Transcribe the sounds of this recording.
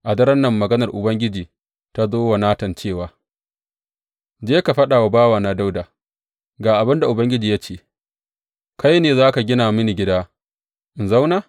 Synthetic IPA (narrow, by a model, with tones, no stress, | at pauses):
ʔa˨dɐ˦ɾɐ˦nːɐ˦˨mːɐ˨ɡɐ˦nɐ˨rʔʊ˨bɐ˦ŋɡʲɪ˦d͡ʒiː˨ | ta˦zoː˦wa˨naː˦tɐ˨nt͡ʃeː˦˨waː˨ | d͡ʒeː˦ka˨ɸɐ˦ɗa˨wa˨baː˦waː˨na˨da˦wdaː˨ | ɡaː˨ʔa˨bɪ˦nda˨ʔʊ˨bɐ˦ŋɡʲɪ˦d͡ʒiː˨ja˦t͡ʃeː˨ | ka˦jneː˨zaː˦ka˨ɡʲɪ˦naː˨mɪ˦ni˨ɡʲɪ˦daː˦ | ʔɪ˨nza˦wnaː˦˨